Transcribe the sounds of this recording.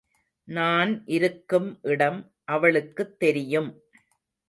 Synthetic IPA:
naːnʔɪɾɯkːɯmʔɪɽɐm | ʔɐʋɐɭɯkːɯt̪ːɛɾɪjɯm

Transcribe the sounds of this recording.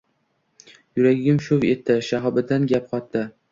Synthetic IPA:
jʊɾaɡʲɪmʃʊvet̪ːɪʃaɦɒbɪd̪anɡʲap̚qʰɒt̪ːɪ

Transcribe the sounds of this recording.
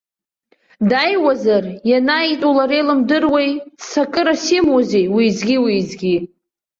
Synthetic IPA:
dajwazarjanaitʼulaɾejlɨmdɨrwejsakʼɨɾasimwozejwizɡʲiwizɡʲi

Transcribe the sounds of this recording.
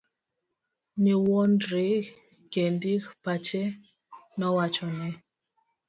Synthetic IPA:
miwɔndɾi | ɡ̥ɛndikpat͡ʃɛ | nɔwat͡ʃɔnɛ

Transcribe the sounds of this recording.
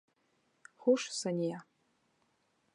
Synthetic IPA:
χʊʂsanʲija

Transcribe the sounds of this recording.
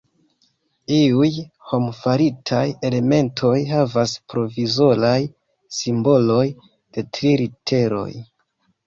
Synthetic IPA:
iuj | ho̞mfaɾitʰaje̞le̞me̞ntʰo̞jɦavaspɾo̞vizo̞laj | simbo̞lo̞j | d̥e̞tɾiɾitʰe̞ɾo̞̰j

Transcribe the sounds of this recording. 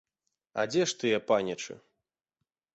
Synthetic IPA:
ɐ̰d͡zʲɛʂt̪ɨjɛpanʲɐt͡ʂɨ̰

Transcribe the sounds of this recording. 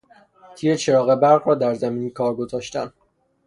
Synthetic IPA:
t̪ʰiːɾet͡ʃʰe̞ɾɒːɣe̞bæɾʁɾɒːd̪æɾzæmiːniːkʰɒːɾɡo̞zɒːʃt̪æn

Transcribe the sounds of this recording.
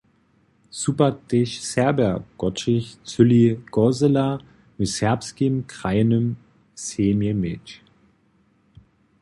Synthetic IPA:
supɐd̥ɪʃsɛɐbɛɡ̥ɔtɪçt͡sʏliɡ̥ɔzəla | mɪtsɛɐpskimkʁ̥aɪnəm | seːmimɪt͡ʃ

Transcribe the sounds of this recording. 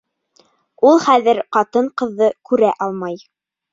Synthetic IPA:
ulˠχæðɘɾqɑt̪ɤɴqɤ̆ðːɤkʉɾæʔɑlˠmɑj

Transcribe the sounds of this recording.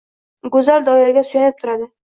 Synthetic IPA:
ɡʊzald̪ɒɪɾɪɡʲasʊjanɪp̚t̪ʰʊɾad̪ɪ

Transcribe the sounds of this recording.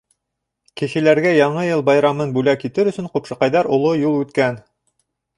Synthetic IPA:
kɘ̆ʃɘ̆læɾɡæjɑɴɤjɤlˠbɑjɾɑmɤnbʉlækit̪ɘɾɵ̆sɵɴqupʃɤ̆qɑjðɑɾŏlˠojulˠʉt̪kæn

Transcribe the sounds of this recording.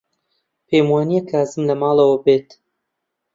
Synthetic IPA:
pʰeːmwaːnijakʰaːzɨmlɐmɑːlˠɐwɐbeːt̪

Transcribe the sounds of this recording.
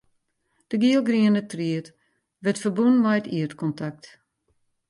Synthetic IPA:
d̥əɡiəlˠɡriənətriət | ʋɛtfərbunmɛjtiətkɔntʰak̚t

